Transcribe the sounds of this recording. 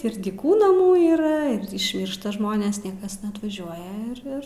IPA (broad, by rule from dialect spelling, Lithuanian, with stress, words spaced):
ɪr dʲiːˈkuː nɐˈmuː iːˈrɐ ɪr ɪʃʲˈmʲiːrʃtɐ ˈʒmoːnʲeːs ˈnʲiɛkɐs nʲɛɐtʋɐˈʒʲuɔjɛ ɪr ˈɪr